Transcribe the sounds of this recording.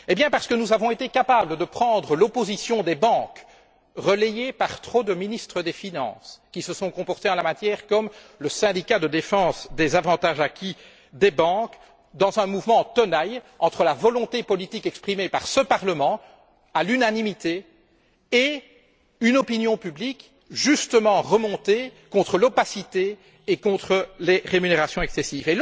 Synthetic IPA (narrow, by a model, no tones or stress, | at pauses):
ebjɛ̃paʁsə̥kənuzavɔ̃et̪ekapabləd̪əpχɑ̃d̪ʁəlɔpozisjɔ̃d̪ebɑ̃k | ʁəlejepaʁt̪χod̪əminist̪χəd̪efinɑ̰̃ːskʲisəsɔ̃kɔ̃pɔʁt̪eɑ̃lamat̪jɛːʁkɔmləsɛ̃d̪ikad̪əd̪efɑ̃ːsd̪ezavɑ̃t̪aʒakʲʰi | d̪ebɑ̃k | d̪ɑ̃zɛ̃muvmɑ̃t̪ɔnaj | ɑ̃t̪χəlavɔlɔ̃t̪epɔlit̪ikɛkspχimepaʁsəpaʁləmɑ̃ | alynanimit̪e | e | ynɔpinjɔ̃pyblik | ʒyst̪əmɑ̃ʁəmɔ̃t̪ekɔ̃t̪χəlɔpasit̪eː | kɔ̃t̪χəleʁemyneʁasjɔ̃ɛksɛsive